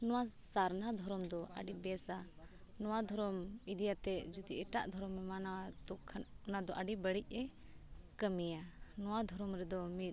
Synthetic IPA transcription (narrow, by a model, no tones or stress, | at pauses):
nɔwasaɾnad̪ʱɔɾɔmd̪ɔʔa̰ɖibɛsa | nɔwad̪ʱɔɾɔmid̪ijat̪ɛd͡ʒud̪iʔɛʈaʔd̪ʱɔɾɔmɛmanat̪ukʰːɔnad̪ɔʔaɖibəɽic̚ˀɛ | kəmijanɔwad̪ʱɔɾɔmɾɛd̪ɔmit̪̚